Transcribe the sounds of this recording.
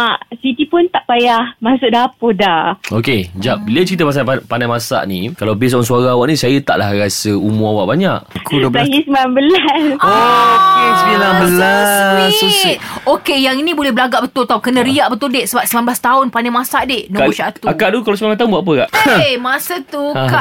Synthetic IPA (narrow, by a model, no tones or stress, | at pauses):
asit̪ipʊnt̪aʔpajahmasʊʔdapodaoked͡ʒaʔ̚bilət͡ʃəɾit̪əpas̬aapandamasa̰ʔnĩkalabɪs̬aaŋsuaɾaːwaʔnĩsajət̪a̰ʔla̰hɾasəumuawaʔbaɲaʔkʰudaɦisəmambəlasokesminabəlasoit̪̚okejaŋinĩbolɛhbəlaɡaʔbət̪ʊlt̪aukənə̃ɾiaʔbət̪udɛʔsəbap̚səmanblast̪aʊnpandamasaʔdɪhnoʃat̪uakaʔdukalasəmanbat̪aunbaʔapəkaʔmasət̪ukaʔ